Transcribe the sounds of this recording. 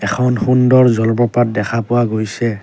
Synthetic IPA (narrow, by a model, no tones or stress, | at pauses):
ɛkʰɔnxundɔɹzɔlbɔpat̚dɛkʰapʊwaɡojsɛ